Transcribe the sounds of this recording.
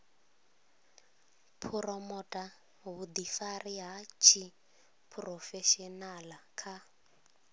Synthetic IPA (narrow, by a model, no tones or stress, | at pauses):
pʰuɾɔmɔtʼa | ɦud̪ifariɦat͡ʃʰi | pʰrɔfɛʃɔnalakʰa